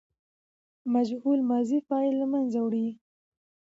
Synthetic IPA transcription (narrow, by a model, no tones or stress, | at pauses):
mad͡ʒhulmɑzifɑjlːamanzawɽi